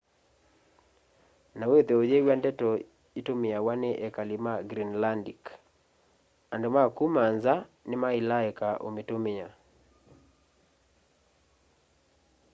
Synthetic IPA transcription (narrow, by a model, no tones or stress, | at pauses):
naweðeod͡ʒɛwandɛtɔ | itomɪawanɛʔɛkalimaɡɾinlandik | andomakumanzanɪmailaɛkaʔo̰metomɪa